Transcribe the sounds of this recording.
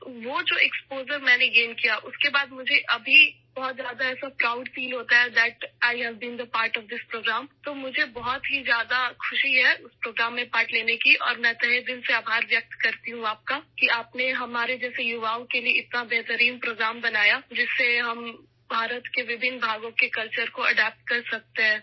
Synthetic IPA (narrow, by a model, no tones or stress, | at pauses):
ʋod͡ʒoːɛkspoːzəɾmɛ̃ːneɡeːnkijaʔʊskebaːd̪mʊd͡ʒʱeʔɐbʱi | bɔɦɔt̪zjaːd̪aɛːsapɾaːʊɖsiːlɦoːt̪aɦɛd̪ɛʈaːɪɦɛzbɪ̃nd̪əpaːɾʈɔʋd̪ɪspɾoːɡɾaːmt̪oːmʊd͡ʒʱebɔɦɔt̪ɦizjaːd̪akʰʊʃiɦɛʊspɾoːɡɾaːmːẽpaːʈleːnekiʔɔ̰ːɾmɛ̃t̪ɛɦed̪ɪlseaːbʱaːɾʋjɐk̚t̪kɐɾt̪iɦũaːp̚kakiaːpneɦɐmaːɾed͡ʒɛːsejʊʋaːõkelieɪt̪nabeːt̪əɾiːmpɾoːɡɾaːmbɐnaːjad͡ʒɪsːeɦɐm | bʱaːɾət̪keʋɪbʱɪnːbʱaːɡõkekɐlt͡ʃəɾkoɐɖɛːp̚ʈ̚kɐɾsɐk̚t̪eɦɛ̃ː